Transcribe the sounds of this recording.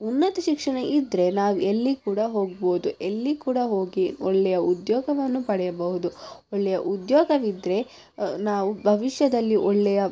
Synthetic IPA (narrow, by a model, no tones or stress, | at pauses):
unːɐt̪ɐʃikʂɐɳɐʔid̪ɾe̞naːʋuelːikuːɽɐɦo̞ːɡ̚bo̞ːd̪uʔelːikuːɽɐɦo̞ːɡiɔɭːɛjɐud̪jɔːɡɐʋɐnːupɐɽɛjɐbɐɦud̪uɔɭːɛjɐʔud̪jɔːɡɐʋid̪ɾe̞ | naːʋubʱɐʋiʃjɐd̪ɐlːiʔɔɭːɛjɐ